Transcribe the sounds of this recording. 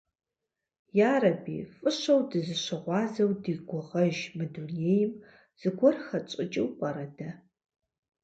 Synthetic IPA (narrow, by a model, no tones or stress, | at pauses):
jaːrɐbḭːfʼɨɕɐwdɨzɨʃɐʁʷɑːzɐwdiːɡʷʊʁɐʒmɨdunejɪm | z̥ɨɡʷɔrxɐt͡ʃʼɪt͡ʃʼɪwqʷʼɐɾɐdɐ